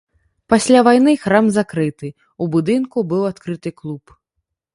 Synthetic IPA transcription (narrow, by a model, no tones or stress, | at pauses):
pasʲlʲavajnɨxɾamzakɾɨt̪ɨ | ubud̪ɨnkubɨwat̪kɾɨt̪ɨklˠup